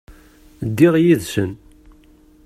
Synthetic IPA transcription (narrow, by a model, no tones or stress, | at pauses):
d̪ːɪʁjiðsə̰n